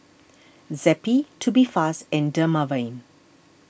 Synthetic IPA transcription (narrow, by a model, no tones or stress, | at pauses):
zɛpitʰubifasɛ̃ndəmavãɪ̃n